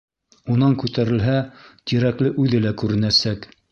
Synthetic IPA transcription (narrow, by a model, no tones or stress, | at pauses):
unɑŋkʉt̪æɾɘ̆lɦæt̪iɾæklɘʔʉðɘlækʉɾɘ̆næsæk